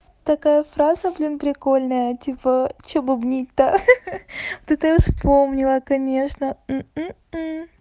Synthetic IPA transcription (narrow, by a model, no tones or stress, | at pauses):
t̪ɐkajəfɾazəblʲinpɾʲɪko̞lʲnəjətʲipət͡ɕobɨbnʲitʲt̪ːə | t̪ut̪əjfspo̞mnʲɪlˠəkɐnʲe̞ʂnəm̩m̩ | m̩